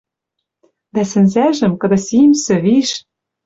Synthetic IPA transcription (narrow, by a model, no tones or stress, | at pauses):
d̪æsɘ̆nzæʒɘ̆mkɤ̆d̪ɤ̆simsɘ̆βiʃ